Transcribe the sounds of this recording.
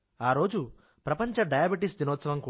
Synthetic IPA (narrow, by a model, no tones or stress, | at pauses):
aːɾo̞ːd͡ʒu | pɾɐpɐɲt͡ʃɐɖɐjaːbiʈisd̪inoːt̪sɐʋɐmku